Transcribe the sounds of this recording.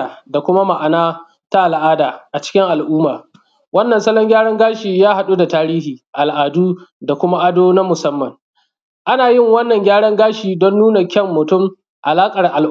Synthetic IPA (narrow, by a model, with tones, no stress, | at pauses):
a˨da˨kʷʊ˦ma˦ma˨ʔa˨naː˦ | ta˦ʔa˨lʔaː˦daː˨ʔa˨t͡ʃɪ̥˦kʲɪ˦ŋʔa˨lʔuː˦maː˨ | wɐ˦nːɐ˨nsɐ˦lɔ˦ŋɡʲaː˦ɽɐ˦ŋɡaː˦ʃiː˨jaː˦ha˨ɗu˦da˨taː˦ɾiː˦hiː˨ʔa˨lʔaː˨duː˦da˨kʷʊ˦ma˦ʔa˦doː˦na˦mʊ˨sɐ˦mːɐ˨ŋ | ʔa˦naː˨jɪ˦˨ŋwɐ˦nːɐ˨ŋɡʲaː˦ɽɐ˦ŋɡaː˦ʃiː˨dɔ˦nːuː˦na˨kʲɐ˦˨mːʊ˨tʊ˦˨m | ʔa˨laː˦kʼɐ˨rʔa˨l